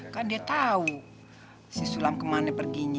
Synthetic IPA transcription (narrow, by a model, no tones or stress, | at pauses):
kandiat̪au | sisulamkəmanɛpərɡiɲ